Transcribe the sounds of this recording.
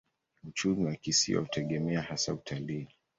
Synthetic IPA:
ut͡ʃumiwakisḭwa̰utʰɛɠɛmɛahasautʰaliː

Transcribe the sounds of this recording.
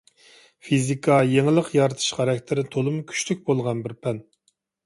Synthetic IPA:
fizikʰɑjeŋɪlˠəqjɑɾɨt̪ʰɨ̥ʃχɑɾɑkʲt̪ʰɪɾɪt̪ʰolˠɨmkʲʰy̥t͡ʃlykʲbolˠʁɑnbɪɾpʰɛn

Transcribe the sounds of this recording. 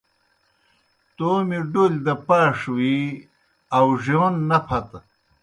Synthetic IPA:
t̪oːmiɖolʲd̪ɐpaːʂwi | ɐwʐionːɐpʰɐt̪

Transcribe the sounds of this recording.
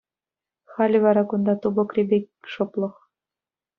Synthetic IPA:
χɑlʲɘ̆ʋɑɾɑkund̪ɑt̪ubɤ̆krʲebʲek̚ʲʃŏplˠɤ̆χ

